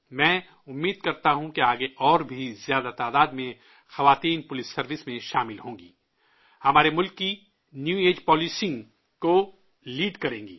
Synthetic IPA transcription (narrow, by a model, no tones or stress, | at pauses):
mɛ̃ː | ʊmːiːd̪̚kɐɾt̪aɦũkeaːɡeʔɔːɾbʱizjaːd̪at̪aːd̪aːd̪mẽ | xɐʋaːt̪iːnpʊlɪsːɐɾʋɪsmẽʃaːmɪlɦõːŋɡiː | hɐmaːɾemʊlkːi | njuːeːd͡ʒpɔːlisɪ̃ŋɡ | ko | liːɖkɐɾẽːɡḭː